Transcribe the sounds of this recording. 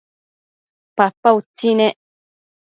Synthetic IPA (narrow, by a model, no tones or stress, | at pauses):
papːaut͡sinẽ